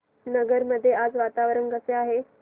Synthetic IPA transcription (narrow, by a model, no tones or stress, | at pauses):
nəɡəɾməd̪ʱːjead͡zʋat̪aʋɾəɳɡəseaɦe